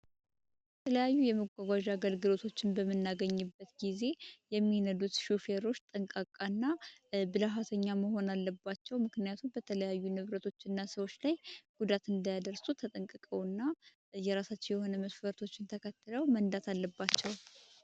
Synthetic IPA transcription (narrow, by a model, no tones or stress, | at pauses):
bət̪ʰələjajːujɛməɡʷaɡʷaʒaɡəlɡɨlo̞t̪ʰo̞t͡ʃːɪnbəmːɨnːaɡəɲːɨbːət̪ɡize̞jɛmːinəd̪ut̪ʃufe̞ɾo̞t͡ʃːt̪ʼəŋkʼakʼanːabɨlaɦat̪ʰəɲːaməɦo̞nalːəbːat͡ʃːɛwmɨknɨjat̪ʰumbət̪ʰələjajːunɨβɾət̪ʰo̞t͡ʃːɨnːasəwo̞t͡ʃːlajɡ̥ud̪at̪ɨnd̪ajad̪əɾsut̪ʰət̪ʼəŋkʼɨkʼəwɨnːa | jɛɾasat͡ʃːɪnjɛho̞nəməsfəɾt̪ʰo̞t͡ʃːɪnt̪ʰəkʰət̪ːɨləwmənd̪at̪ʰalːəbːat͡ʃːɛw